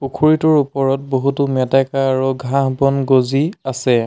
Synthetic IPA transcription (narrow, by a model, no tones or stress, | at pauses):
pukʰuɹitɔɹupɔɹɔt̚boɦutumɛtakaːɹuɡʱãɦbɔnɡoziasɛ